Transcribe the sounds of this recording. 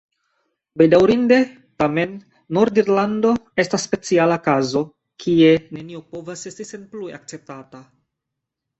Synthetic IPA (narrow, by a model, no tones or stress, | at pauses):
bejdawɾinde̞ | tame̞nː | o̞ɾdiɾlando̞e̞stasːpe̞t͡sialakazo̞ | kʰie̞ne̞nio̞po̞vase̞stise̞nplueak̚t͡se̞p̚tata